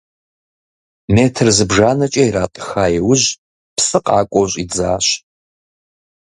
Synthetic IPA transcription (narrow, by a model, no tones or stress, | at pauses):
meːtʰrzɨbʐaːnɐt͡ʃʼɐiraːtʼə̥xaːjɛwʊʑ | psʼɨqʼɑːkʷʼowɕʼid͡zaːɕ